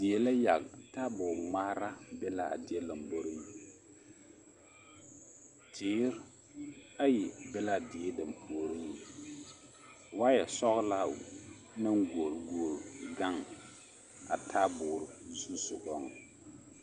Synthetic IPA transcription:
dɪ˨ɛ˨la˦ja˨ɡta˦bʊː˨ɾmaː˦ɾa˦bɛ˦la˦a̰˨dɪ˨ɛ˦la˨mbo˦ɾi˦ni˨ | tʰɪː˦ɾ | a˦ji˨bɛ˦la˦˨dɪ˨ɛ˦da˨mpʰu˨o˦˨ɾi˦ni˨ | wa˦jɛ˨sɔ˦ɣla˦˨ | na˦ŋɡo˨ɾɡo˨ɾɡa˦ŋ | a˨tʰa˦bʊː˨ɾzu˦sʊ˨ɡɔ˦ŋ˨

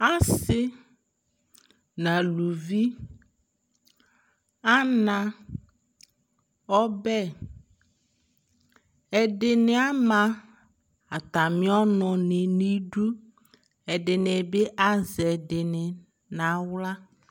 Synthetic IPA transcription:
a˦sɪ˦ | nã˨lu˨vi˦ | a˦nã˨ | ɔ˦bɛ˦ | ɛ˨ɖɪ˨nɪ˨˦a˦mã˨ | a˨t̪a˨mɪ̃˦ɔ˦nʊ̃˨nɪ˨ni˦ɖu˦ | ɛ˨ɖɪ˨nɪ˨bɪ˦ʔa˦zɛ˨dɪ˨nɪ˨ | nã˨wla˦

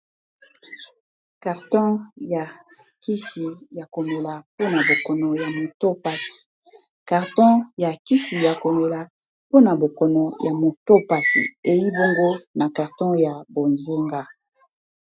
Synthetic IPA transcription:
ka˨ʁtɔ̃˦ja˨kʰi˦si˨ja˨ko˨me˨la˨po˦na˨bo˨kɔ˨nɔ˨ja˨mo˨to˦pa˦si̥˨ | ka˨ʁtɔ̃˦ja˨ki˦si˨ja˨ko˨me˨la˨ | po˦na˨bo˨kɔ˨nɔ˨ja˨mo˨to˦pa˦sḭ˨e˨ji˦bo˦ŋɡo˦na˨ka˨ʁtɔ̃˦ja˨bo˨nze˦ŋɡa˦

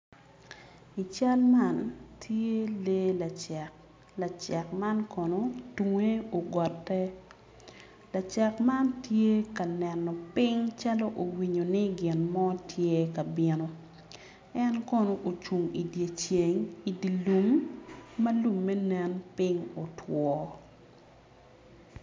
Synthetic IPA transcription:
i˨t͡ʃa˦lma˦ntʰje˦le˦la˨t͡ʃa˨k | la˨t͡ʃa˨kma˦nkɔ˨no˨tu˨ŋe˦o˨ɡɔ˨tːɛ˦ | la˨t͡ʃa˨kma˦ntʰje˦ka˨nɛ˨nɔ˨pɪ˦ŋt͡ʃa˦lo˦ʔo˨wi˨ɲo˨ni˦ɡɪ˨nmɔ˦tʰje˦ka˨bɪ˦no˨ | ɛ˦nkɔ˦no˨ʔo˨t͡ʃu˨ŋi˨dje˨t͡ʃje˨ŋi˨di˨lu˨mː | ɐ˦lu˨mːɛ˦nɛ˨npɪ˦ŋo˨tʰwɔ˦

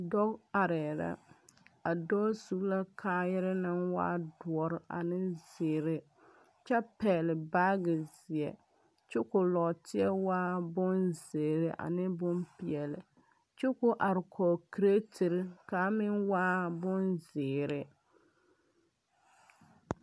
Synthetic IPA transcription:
dɔ˦ka˨ɾɛ˨ɾa̰˦a˨dɔː˦su˦la˦kʰaː˦jɛ˦ɾɪ˦na˦nwa̰ː˦du˨ɔ˨ɾɪ˨ʔa̰˨nɪ˦zɪː˨ɾɪ˦ | t͡ʃa˦pɛː˨lɪ˨baː˦ɡɪ˨zɪ˨ɛ̰˨ | t͡ʃʊ˦kʊ˨lɔ˨tɪ˦ɛ˦waː˦bʊ˦nze˨ɾɪ˦ʔa̰˨nɪ˦bʊ˦mpi˨ɛ˨lɪ˨ | t͡ʃʊ˦kʊ˦ʔa˨ɾɪ˨kʰɔː˨ki˨ɾe˦tʰɪ˨ɾɪ˦ka˨˦mɪ˦ŋwaː˦bʊ˦nzɪː˨ɾɪ˨

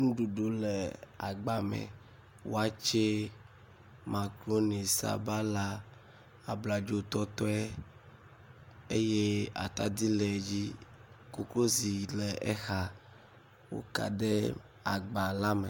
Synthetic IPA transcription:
ŋũ˦ɖu˨ɖo˨lɛ˨a˨ɡ͡ba˨mɛ̰˨ | wo˦a˦t͡ʃe˦ | mã˨klo˦ne˨sa̰˨ba˦la˦ | a˨bla˨d͡ʒo˦t̪ɔ˦t̪ɔ˦ɛ˦ | e˦je˦a̰˨t̪a˨d̪i˦lɛ˨d͡ʑi˦ | ko˨klo˦zi˨lɛ˨ʔɛ˦xa˨ | wo̰˨ka̰˨ɖɛ˦ | a˨ɡ͡ba˨la˦mɛ˨

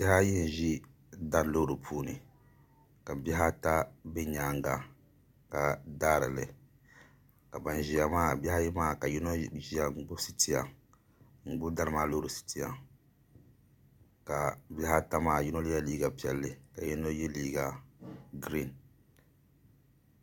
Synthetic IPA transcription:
bɛ˦ha˦ji˦n̩˨ʒi˦ | da˦ɾlo˦˨ɾu˨pʰuː˦nɨ˨ | ka˨bɛ˦ɦa˦ta˦be˦ɲaː˨˦ŋ˦ɡa˨ | ka˨daː˦ɾɨ̰˨lɨ˨ | ka˨ba˨n˨ʒi˨ja˨maː˦˨bɛ˦ha˦jɛ˦maː˦ka˨ji˦no˦ʒi˦ja˨ŋ͡m̩˨˦ɡ͡bʊ˦si˨ti˦ja˨ | ŋ̩˨ɡ͡bʊ˦da˦ɾɨ˨maː˦˨lo˦ɾu˨si̥˨tʰi˦ja̰˨ | ka˨bʲɛ˦ha˦ta˦maː˦˨ji˦no˦li˦a˦liː˦ɡa˨pi˦˨ɛ˨lːɨ˨ka˨ji˦no˦jɛ˦liː˦ɡa˨ɡɾi˦˨n

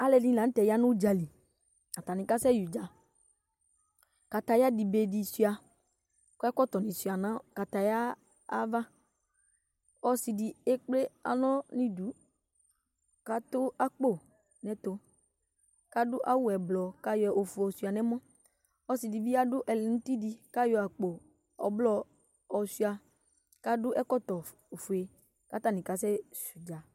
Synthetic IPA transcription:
a˦lɛ˧dĩ˦˨la˨˦n̩˦tɛ˨ja˦nʊ̃˦d͡ʒa˨li˨ | a˨t̪a˨nĩ˨ka˦sɛ˦ju˨d͡ʒa˨ | ka˨t̪a˨ja˦di˨be˨di˨si˦a˨ | kʊ˦ɛ˦kɔ˦t̪ɔ˨nĩ˨su˨a˨nã˦ka˨t̪a˨jaː˦ | va˦ | ɔ˦si˨di˨e˦k͡ple˦a̰˨nɔ̃˦nĩ˦du˨˦ | ka˨t̪ʊ˦a˦k͡po˦ | nɛ̃˨t̪ʊ˨ | ka˦dʊ˦ʔa˦wʊ˦ɛ˨blɔ˨ka˦jɔ˨ʔo˨fu˨ɔ˨si˨a˨nɛ˦mɔ̃˦ | ɔ˦si˨di˨vi˦a˦dʊ˦ʔɛ˨lɪ˨n̩˦ti˦di˧ka˦jɔ˨a˨k͡po˨ | ɔ̰˨blɔ˨ | ɔ˨si˨a˨ | ka˨dʊ˦ʔɛ˦kɔ˦tɔ˨ | o˨fu˨e˨ | ka˨˦t̪a˦nĩ˨ka˨s̬ɛ˦su˨d͡ʒa˨

